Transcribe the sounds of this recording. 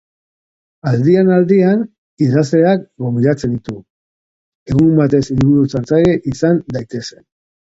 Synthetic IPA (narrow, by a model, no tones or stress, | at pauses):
ald̪ianald̪ian | iðaze̞akɡo̞mbiɾat͡se̞nd̪it̪u | e̞ɣumbat̪e̞silβuɾut͡saɾt͡sajeʔisand̪ajt̪e̞se̞̥n